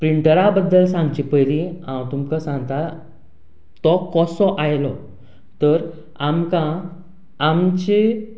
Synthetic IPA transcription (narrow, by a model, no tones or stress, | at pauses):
pɾiɳʈəɾabəd̪ːəlsãŋɡt͡ɕipəjliãwt̪umkəsãŋɡt̪a | t̪ɔkɔsɔʔajlɔ | t̪əɾ | amkãː | mt͡ɕe